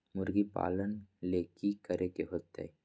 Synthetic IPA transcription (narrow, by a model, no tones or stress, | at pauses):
muɾɡipa̰lənlekikəɾekeɦot̪ːḛj